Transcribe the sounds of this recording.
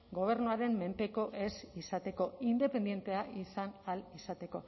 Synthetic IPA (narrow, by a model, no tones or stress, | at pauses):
ɡo̞β̞e̞ɾnuaɾe̞mːe̞mpe̞ko̞ʔe̞sisat̪e̞ko̞ind̪e̞pe̞nd̪je̞nt̪e̞aʔisanalisat̪e̞ko̞